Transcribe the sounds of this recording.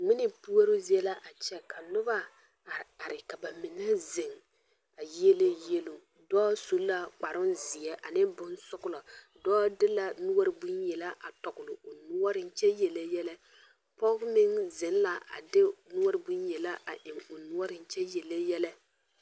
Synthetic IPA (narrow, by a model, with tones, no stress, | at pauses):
ŋ͡mɪ˦nɪ˦pu˦ɔ˦ɾʊ˦zi˦ɛ˦la˦ʔa˨t͡ʃɛ˦ka˨lʊ˦ba˦˨ | a˨ɾɪ˨ka˨ba˨mɪ˨nɛ˦zɪ˨ŋ | a˨je˦le˦je˦lo˦ | dɔː˦so˨˦la˦k͡pa˨ɾʊ˦nzɪ˨ɛ˦ʔa˨nɪ˦bʊ˦nsʊ˦ɡʊ˦la˨ | dɔː˦dɪ˦la˨nu˦ɔ˦ɾɪ˦bu˦njɛ˨la˦ʔa˨tɔ˨ɡʊ˨lʊ˨ʔʊ˨nʊ˦ɔ˦ɾɪ˨n˦t͡ʃɛ˦jɛ˨la˦jɛ˦la˦ | pɔ˦kmɪ˦ŋzɪ˨n˦la˨a̰˨dɪ˦nu˦ɔ˦ɾɪ˦bu˦njɛ˨la˦ʔa̰˨ʔɪ˨ŋʊ˨nʊ˦ɔ˦ɾɪ˨n˦t͡ʃɛ˦jɛ˨lɛ˦jɛ˦la˦